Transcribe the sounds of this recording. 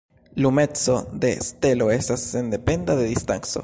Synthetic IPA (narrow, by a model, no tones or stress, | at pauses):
lumet̪t͡sod̪est̪eloesasend̪epend̪aðeðist̪aŋso̰